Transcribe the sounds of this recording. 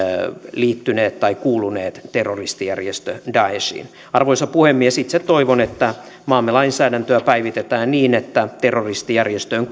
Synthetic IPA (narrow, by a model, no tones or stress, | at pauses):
liːt̪ːyneːt̪t̪ɑikuːluneːt̪t̪erːorist̪ijærjest̪ødɑesḭːn | ɑrʋoisɑpuhemːiesit̪set̪oiʋonet̪ːæ | mɑːmːelɑinsæːdænt̪øæpæiʋit̪et̪æːnniːnet̪ːæt̪erːorist̪ijærjest̪øːŋ